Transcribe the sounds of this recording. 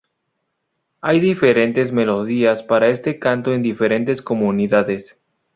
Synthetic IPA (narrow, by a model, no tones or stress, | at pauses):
ajðifeɾẽ̞nt̪e̞zme̞lo̞ðiaspaɾae̞st̪e̞kant̪oe̞nd̪ifeɾe̞nt̪e̞skomuniðaðes